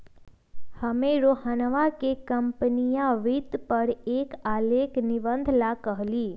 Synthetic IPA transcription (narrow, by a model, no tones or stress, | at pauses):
həmeɾoɦanəʋakekəmpənijãʋid̪pəɾekalekniʋə̃nd̪ʱlakəɦliː